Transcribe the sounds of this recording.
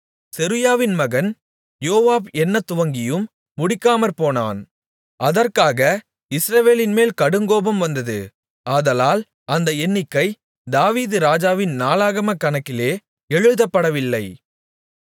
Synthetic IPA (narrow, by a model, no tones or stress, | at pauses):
sɛɾɯjaːʋɪnmɐɣɐn | joːʋaːbɛnːɐt̪ːʊʋɐŋɡɪjɯmː | ʊɽɪkːaːmɐɾpoːna̰ːn | ʔɐðɐrkaːɣɐ | ɪsɾɐʋeːlɪnmeːlkɐɽɯŋɡoːbɐmʋɐnd̪ɐðɯ̰ | ʔaːðɐlaːl | ʔɐnd̪ɐɛnːɪkːɐɪ | d̪aːʋiːðɯɾaːd͡ʒaːʋɪnnaːlaːɣɐmɐkːɐnɐkːɪleː | ɛɻɯðɐpːɐɽɐʋɪlːɐɪ